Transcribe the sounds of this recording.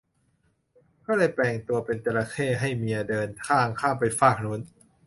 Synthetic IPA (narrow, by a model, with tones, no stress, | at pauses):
kɔː˥˩lɤː˧jplɛː˧ŋt̪u˧ɐpe˧nt̪e˧la˧kʰeː˥˩ɦa˥˩jmi˧ɐdɤː˧nkʰaː˥˩ŋkʰaː˥˩mpa˧jfaː˥˩k̚nu˦˥n